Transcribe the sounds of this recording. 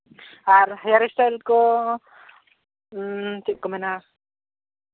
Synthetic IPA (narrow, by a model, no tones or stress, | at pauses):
aɾhajaɾɛsʈajlkɔ | t͡ʃ̪ɛʔ̚kɔmɛna